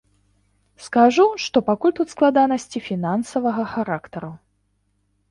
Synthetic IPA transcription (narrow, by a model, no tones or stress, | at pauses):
skaʐuʂt̪ɔpakulʲt̪ut̪sklˠad̪anɐsʲt͡sʲifʲinansɐvɐɣɐxaɾakt̪ɐɾu